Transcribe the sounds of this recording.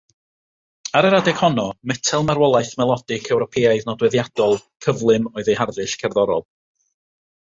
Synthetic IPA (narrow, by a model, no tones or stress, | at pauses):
aɾɛɾadɛɡ̥hɔnɔmɛtʰɛlˠmaɾwɔlˠajθmɛlˠɔdɪkʰɛwɾɔpʰɛaɨðnɔdwɛðjad̥ɔlˠkʰəvlˠɨmɔɨðejharðɨʃkʰɛrðɔɾɔlˠ